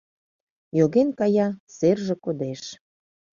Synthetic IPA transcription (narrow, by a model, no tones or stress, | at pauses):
joɣenkɑjɑserʒĕkod̪eʃ